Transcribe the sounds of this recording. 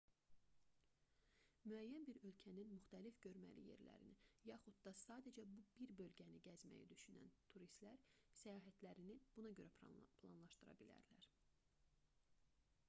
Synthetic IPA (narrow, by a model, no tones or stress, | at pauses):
myæjːænbiɾø̞lcʰæninmyxt̪ælifɟø̞ɾmæ̰lḭje̞̰ɾlæ̰ɾḭnijɑxud̪d̪ɑsɑːd̪ed͡ʒæbubiɾbø̞lɟæniɟæzmæ̰jæ̰d̪yʃynæ̰nt̪ʰuɾist̪læɾsæjɑːɦæt̪læɾinib̥unɑɟøɾæpʰlˠɑnlˠɑʃt̪ɯɾɑ̰bilæ̰ɾlæ̰ɾ̥